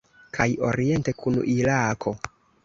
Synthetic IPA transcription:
kʰajo̞̰ɾie̞nte̞kʰunṵʔilakʰo̞

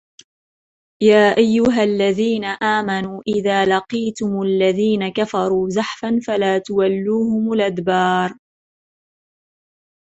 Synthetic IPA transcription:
jaːʔajːʊɦalːaðiːnaʔaːmanuːʔɪðaːlɑqiːt̪ʊmlːaðiːnakafɑɾˤuːzaħfanfalaːt̪ʊwalːuːhʊmʊlʔad̪bɑːɾˤ

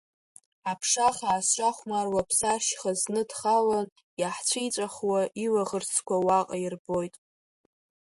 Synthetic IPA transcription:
apʰʂaχaːst͡ʃʷʼaχʷmarwapʰsaʃχaznɨdχalan | jaħt͡ɕʷʰijt͡ʃʷʼaχwaʔilaʁərt͡sʰkʷawaqʼairbojtʼ

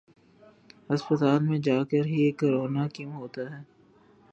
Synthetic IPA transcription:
ɐspət̪aːlmẽd͡ʒaːkəɾɦieːkːoɾoːnakɪmɦoːt̪aɦɛː

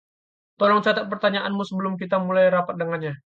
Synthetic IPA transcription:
t̪ɔlɔŋt͡ʃat̪at̪̚pərt̪aɲaʔanmusəbəlʊmkit̪amulajɾapat̪̚dəŋanɲa

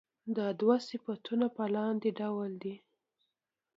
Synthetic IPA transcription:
d̪ɑd̪wasɪfat̪ʰunapəlɑnd̪eɖawld̪i

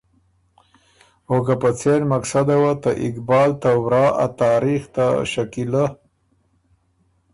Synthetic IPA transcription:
oɡapat͡seɾmaksad̪awat̪aʔɪkbɑːlt̪awɾɑːʔa̰t̪ɑːɾixt̪aʃakila

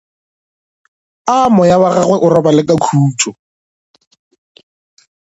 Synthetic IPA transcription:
amɔjawaɣaɣwɛʔʊɾɔbalɪkʼakʰuːtʰʼɔ

